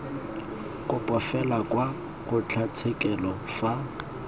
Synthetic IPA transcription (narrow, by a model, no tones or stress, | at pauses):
kʼʊpʼɔfɛlakwa | ɣʊt͡ɬʰat͡sʰekʼɛlɔfa